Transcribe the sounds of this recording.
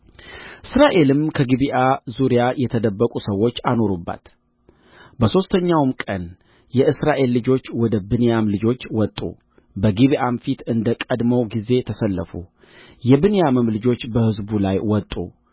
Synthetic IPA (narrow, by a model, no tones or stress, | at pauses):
ʔɨsɾaʔe̞lɨmkʰəɡiβiʔazuɾijajɛt̪ʰəd̪əbːəkʼusəwːo̞t͡ʃːano̞ɾubːa̰t̪ | bəso̞st̪ʰəɲːawmkʼən | jɛɨsɾaʔe̞lːɨd͡ʒo̞t͡ʃːwɔd̪əbɨnejamlɨd͡ʒo̞t͡ʃːwɔt̪ʼːṵ | bəɡiβiʔamfit̪ɨnd̪əkʼəd̪məwɡize̞t̪ʰəsəlːəfṵ | jɛbɨnejamɨmlɨd͡ʒo̞t͡ʃːbəhɨzbulajwɔt̪ʼṵ